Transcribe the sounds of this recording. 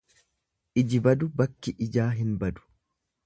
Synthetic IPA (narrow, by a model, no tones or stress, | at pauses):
ʔɪd͡ʒɪbɐd̪ʊbɐkːɪʔɪd͡ʒaːɦɪnbɐd̪ʊ̥